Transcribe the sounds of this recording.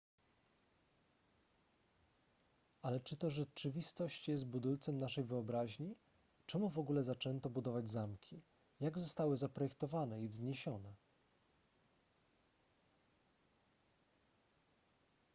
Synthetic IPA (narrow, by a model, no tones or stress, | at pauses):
alɛt͡ʂɘt̪ɔʐɛt͡ʂɘvʲist̪ɔɕt͡ɕjɛs̬t̪̚bud̪ult̪sɛmnaʂɛjvɘɔbɾaʑɲi | t͡ʂɛmuvɔɡulɛzat͡ʂɛnt̪ɔbud̪ɔvad͡ʑzamkʲʰi | jaɡzɔst̪awɘzapɾɔjɛkt̪ɔvanɛivzɲeɕɔnɛ